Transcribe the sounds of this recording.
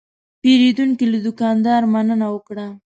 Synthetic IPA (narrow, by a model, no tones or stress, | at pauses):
peɾed̪uŋkilad̪ʊkɑnd̪ɑɾmanənawəkɽa